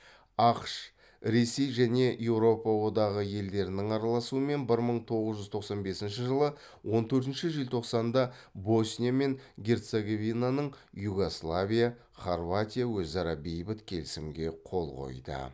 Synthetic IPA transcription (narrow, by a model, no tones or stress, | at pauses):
ɑqʃ | ɾe̞se̞jʒæne̞je̞wɾo̞pɑwo̞d̪ɑʁəje̞ld̪e̞ɾɪnɪŋɑɾɑlˠɑsuəme̞nbɪɾməɴt̪ʰo̞ʁəzʒʏzt̪ʰo̞qsɑnbe̞sɪnʃɪʒəlˠə | wo̞nt̪ʰɵɾt̪ɪnʃɪʒilʲt̪ʰo̞qsɑnd̪ɑbo̞snʲijame̞ŋɡʲe̞rt̪seɡo̞vijnanəɴ | juɡo̞slˠavʲija | χorvat̪ʲijawɵzɑɾɑbejbɪt̪kʲʰe̞lɪsɪmɡʲe̞qʰo̞lˠʁo̞̰jd̪ə̰